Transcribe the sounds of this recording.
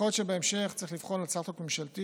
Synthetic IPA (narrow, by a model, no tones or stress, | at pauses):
ot̪ʃebeemʃeχt͡saʁiχliv̥χonlalt͡sat̪okmemʃalt̪i